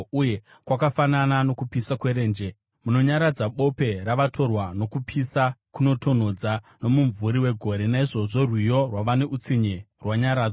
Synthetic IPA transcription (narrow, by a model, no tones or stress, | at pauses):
uje̞ | kwakafananano̞kupisakwe̞ɾe̞ːnd͡ʒe̞ | muno̞ɲaɾad͡zaɓo̞pe̞ɾaʋatʰo̞rwano̞kupʰisakuno̞to̞n̤o̞d͡za | no̞muɱvuɾiwe̞ɡʱo̞ɾe̞naiʐo̞ʐo̞rwijo̞rwaʋane̞ʔut͡siɲe | rwaɲaɾaːd͡za